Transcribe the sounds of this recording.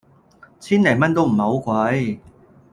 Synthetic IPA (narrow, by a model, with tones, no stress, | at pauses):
t͡sʰiː˥nɐ˨˩jmɐ˥nt̪o˥wm̩˨˩ho˨˧˥wkwɐ˨˧˥j